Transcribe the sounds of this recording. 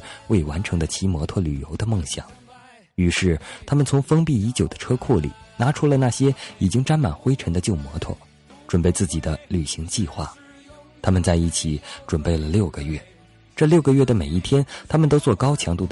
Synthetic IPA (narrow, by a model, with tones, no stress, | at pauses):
we˥˩ɪwa˧˥nʈ͡ʂʰɤ˧˥ŋd̪ə˧t͡ɕʰi˧˥mwɔ˧˥t̪ʰwɔ˥˩ly˨˩jo̰˧˥ʊd̪ə˧mɤ˥˩ŋɕjɑ̰˨˩˦ŋ | y˧˥ʂɻ̩˥˩t̪ʰa˥mə˨nt͡sʰʊ˧˥ŋfɤ˥ŋpi˥˩i˧˥t͡ɕjo˨˩ʊd̪ə̥˦ʈ͡ʂʰɤ˥kʰu˥˩lḭ˨˩na˧˥ʈ͡ʂʰu˧˥lə˨na˥˩ɕjɛ˥i˨˩t͡ɕi˥ŋʈ͡ʂa˥nma˨˩nxwe˥ɪʈ͡ʂʰə˧˥ŋd̪ə˧t͡ɕjo˥˩ʊmwɔ˧˥t̪ʰwɔ̰˥˩ | ʈ͡ʂwə˨˩npe˥˧ɪt͡sɹ̩˥˩t͡ɕi˨˩d̪ə˦ly˨˩ɕi˧˥ŋt͡ɕi˥˧xwa̰˥˩ | t̪ʰa˥mə˨nt͡sa˥˧ɪi˥˩t͡ɕʰi˨˩˦ʈ͡ʂwə˨˩npe˥˩ɪlə˩ljo˥˩ʊɡə˩ɥɛ˥˩ | ʈ͡ʂɤ˥˧ljo˥˩ʊɡə˩ɥɛ˥˩d̪ə˩me˨˩ɪi˥˩t̪ʰjɛ˥nt̪ʰa˥mə˨nt̪o˥ʊt͡swɔ˥˩kɑ˥ʊt͡ɕʰjɑ˧˥ŋt̪u˥˩d̪ə